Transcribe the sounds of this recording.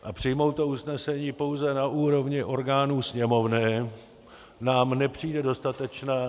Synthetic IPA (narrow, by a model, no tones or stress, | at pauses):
ʔapr̝̥ɪjmo̞wt̪ousnɛsɛɲiːpo̞wzɛnaʔuːɾo̞vɲɪʔo̞ɾɡaːnuːsɲɛmo̞vnɛː | naːmnɛpr̝̥iːdɛdo̞st̪at̪ɛt͡ʃnaː